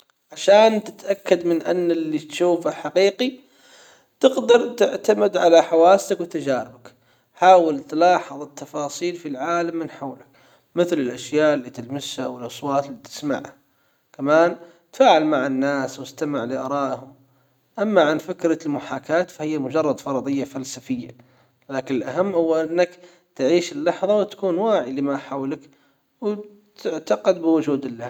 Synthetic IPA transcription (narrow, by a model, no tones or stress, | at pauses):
ʕaʃaːnt̪ɪ̥t̪ʔakːad̪mɪnʔa̰nːɪlːit̪ʃuːfaħaqiːqi | t̪ɪɡd̪ɑɾˤt̪ɪʕt̪amɪd̪ʕalaħawaːsːakwɪt̪ad͡ʒaːɾɪbak | ħaːwɪlt̪lɑːħɑðˤɨt̪ːɑfɑːsˤiːlfilʕaːlamːɪnħawlɪk | mɪθlɪlʔaʃjaːʔɪlːiːt̪ɪlmɪshawɪlʔɑsˤwɑːt̪ɪlːit̪ɪ̥sma̰ʕha | kamaːn | t̪faːʕɪlmaʕanːaːswɪst̪amaʕlɪʔɑɾˤɑːʔhʊm | ʔamːaʕanfɪkɾalmʊħaːkaːt̪fahɪjːamʊd͡ʒɑrˤːɑd̪fɑɾˤɑd̪ˤɨjːafalsafɪjːa̰ | laːkɪnɪlʔaɦamːhʊwːaʔɪnːak | t̪ʕiːʃɪlːɑħðˤɑwɪt̪ḁkuːnwaːʕilɪmaʔħawlak | w | t̪ɪʕt̪aqɑd̪̚bɪwʊd͡ʒuːd̪ɪlːah